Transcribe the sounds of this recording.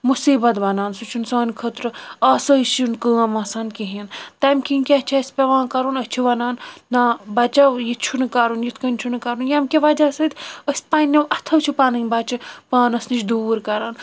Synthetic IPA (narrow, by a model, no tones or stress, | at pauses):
musiːbɐt̪ʋɐnaːnsut͡ʃʰunsaːnkʰət̪ɾɨaːsɐsunkəːɐmɐsaːnkiɦint̪ɐmkʰinkʲiɐt͡ʃʰɐsʲpʲeʋãːnkɐɾunət͡ʃʰiʋɐnaːnːãːbɐt͡ʃɐwjit͡ʃʰunɨkɐɾunjit̪ʰkɐnʲt͡ʃʰunɨkɐɾunjɐmkʲiʋɐd͡ʒaːsɐt̪ʰʲəsʲpanʲːɐwʔɐt̪ʰɐt͡ʃʰipaːnɨnʲbɐt͡ʃipaːnɐsnit͡ʃʰd̪uːɾkɐɾaːn